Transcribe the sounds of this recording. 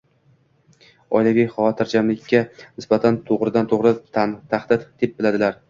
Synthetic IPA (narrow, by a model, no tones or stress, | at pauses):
ɒ̰jlavijχɒvɒt̪ʰɪɾd͡ʒamlɪkʲʰːanɪsbat̪ʰant̪ʰoʁɾɪd̪ant̪ʰoʁɾɪt̪t̪ʰːaχd̪ɪt̪d̪̥ep̚bɪlad̪ɪlaɾ